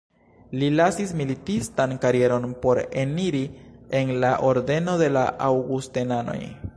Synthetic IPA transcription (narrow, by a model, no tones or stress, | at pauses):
lilasismilitistankaɾie̞ɾo̞npo̞ɾe̞niɾie̞nlaʔo̞ɾde̞no̞de̞laʔawɡustenano̞̰j